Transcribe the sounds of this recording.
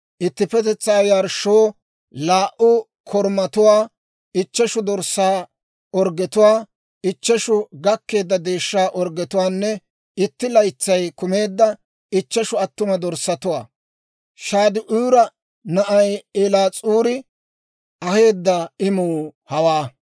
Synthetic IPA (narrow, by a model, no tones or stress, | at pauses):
ʔɪt̪ːɪpɛt̪ɛt͡sːaːjɐɾʃoː | laːʔʊ | kʰɔɾmɐt̪ʊwaː | ɪt͡ʃːɛʃʊd̪ɔɾsaː | ɔɾɡɛt̪ʊwaː | ɪt͡ʃːɛʃʊɡɐkːe̞ːd̪ːɐd̪e̞ːʃːaːʔɔɾɡɛt̪ʊwaːnːɛ | ɪt̪ːɪlɐjt͡sːɐjkʊmeːd̪ːɐ | ɪt͡ʃːɛʃʊɐt̪ːʊmɐd̪ɔɾsːɐt̪ʊwa̰ː | ʃaːd̪ɪʔuːɾɐ | nɐʔɐjelaːt͡sʼuːɾɪ | ɐhe̞ːd̪ːɐɪmuːhɐwaː